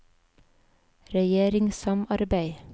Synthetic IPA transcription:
ɾɛjeːɾɪŋsɑmɑɾbæɪ

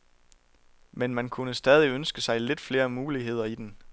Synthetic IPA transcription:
menmænkʰunəsd̥ɛːð̞ˠiønsɡ̥əsɑ̈ɪle̝d̥fle̝ːɐmuːliɦe̝ð̰ˠɐid̥en

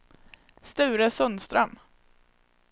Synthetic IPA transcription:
st̪ʉ̟ːɾəsœnst̪ɾœm

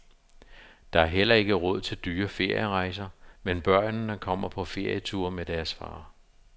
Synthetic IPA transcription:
d̥ɑ̈æɐɦel̰ɐe̝ɡ̥əʁɔð̞̰ˠt͡sʰe̝ld̥yːɐfe̝ɐ̰jəʁɑ̈ɪsɐmenb̥ɶɐ̰n̩dɑ̈kʰɒ̽m̰ɐpʰɒ̽fe̝ɐ̰jət͡sʰuɐ̰med̥æɐsfɑ̰̈ː

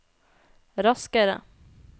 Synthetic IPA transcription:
ɾaskəɾə̰

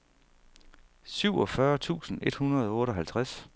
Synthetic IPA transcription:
syʊ̰ɒ̽fɶɐt͡sʰṵːsn̩e̝d̥hunɐð̞ˠɒɔ̽ːɾ̥ɒ̽ɦælt͡sʰʁas

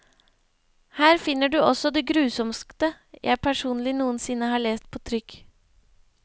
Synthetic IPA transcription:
hæːɾfɪnːəɖʉːʔɔsɔd̪ɛɡɾʉːsɔmskt̪ə | jʔæ̰ɪpʰæʂuːnlɪnuːənsɪnːəhɑːɭeːst̪̚pʰoːt̪ʰɾʏk

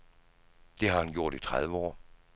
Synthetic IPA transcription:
d̥e̝ɦɑ̈hænɡ̥jo̝ɐ̰ɾ̥it͡sʰʁaðˠʋəɒ̰ː

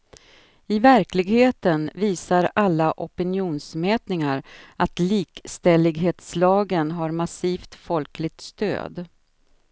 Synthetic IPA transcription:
ɪvæɾklɪɡheːt̪ənviːsaɾalːaʔɔpɪnjuːnsmɛːt̪nɪŋaɾʔat̪liːkst̪ɛlɪɡɦeːt̪slɑːɡənɦaɾmasiːft̪fɔlklɪɡ̚t̪st̪ø̰ːd̪

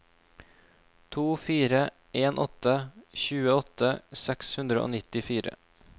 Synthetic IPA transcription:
t̪ʰuːfiːɾə | ʔeːnʔɔt̪əçʉːəɔt̪əsɛkshʉnd̪ɾəo̰ːnɪt̪ɪfiːɾə̰

